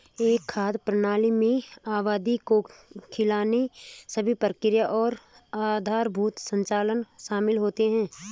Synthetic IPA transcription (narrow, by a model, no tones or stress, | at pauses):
eːkʰːaːd̪pɾənaːlimẽaːʋaːd̪ikokʰɪlaːnesəbʱipɾəkɪɾjəʔɔːɾ | aːd̪ʱaːɾbʱuːt̪sə̃ɲt͡ʃaːlənʃaːmɪlɦoːt̪eɦɛ̃ː